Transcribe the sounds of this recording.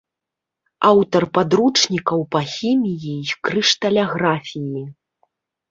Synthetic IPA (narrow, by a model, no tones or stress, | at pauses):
awt̪ɐrpad̪ɾut͡ʂnʲikɐwpɐxʲimʲijiikɾɨʂt̪ɐlʲaɣɾafʲijji